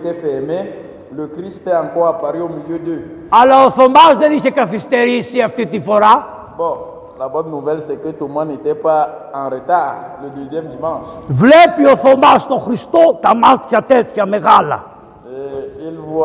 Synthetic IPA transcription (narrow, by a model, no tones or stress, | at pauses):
t̪ɛfɛʁme | ləkʁist̪t̪ɛãkɔʁapaʁiomiljød̪øɐlaoθo̞mazðeniçekɐfist̪e̞ɾisiɐft̪it̪ifo̞ɾa | bɔ̃ | labɔnːuvɛlsɛkət̪umɛ̃net̪ɛpaɑ̃ʁət̪aʁləd̪øzjɛmd̪imɑ̃ʃvlepioθomast̪oxɾist̪ot̪ɐmat̪çɐt̪et̪çɐme̞ɣalɐ̰ | eilv